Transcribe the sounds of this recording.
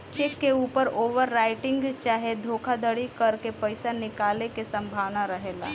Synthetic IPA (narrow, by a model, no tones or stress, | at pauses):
t͡ʃekːeuːpəɾoːʋəɾːaːɪʈɪ̃ŋɡt͡ʃaːɦed̪ʱoːkʰad̪əɽikəɾkepəɪsanɪkaːlekesə̃mbʱaːʋnaɾəɦeːla̰ː